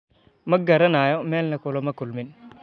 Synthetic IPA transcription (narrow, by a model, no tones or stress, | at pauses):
mɐɡaɾanajomelnakulomɐkulmin